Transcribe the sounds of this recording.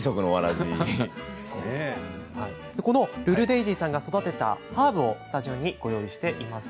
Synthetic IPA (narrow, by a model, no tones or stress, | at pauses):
iso̞kɯ̟noβaɾaʑi | ehai | d̪̥e̞ko̞no̞ɾɯ̟ɾɯ̟d̪e̞iʑiːsãŋɡaso̞d̪at̪e̞t̪a̰haːbɯ̟o̞sɨ̥t̪aʑio̞ɲ̟ːiɡ̥o̞jo̞ːiɕi̥t̪e̞ʔimasɨ̥